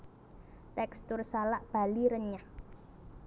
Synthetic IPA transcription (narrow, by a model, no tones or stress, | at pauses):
t̪ɛkst̪ʊrsalaʔb̥a̤liɾəɲah